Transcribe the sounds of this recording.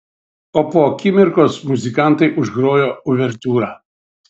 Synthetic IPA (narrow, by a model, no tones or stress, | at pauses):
oːpoːkʲɪmʲɪɾkoːsmʊzʲɪkɑˑnˑt̪ɐɪʔʊʒɡɾoːjoːʊʋʲɛɾʲt̪ʲuːɾɑː